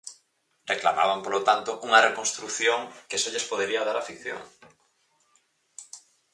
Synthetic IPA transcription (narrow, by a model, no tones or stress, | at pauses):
rekla̰ma̰βampolot̪ant̪oʔuŋɐrekonst̪ɾuθjoŋkesoʎespoðeɾiaðaɾafikθjo̰ŋ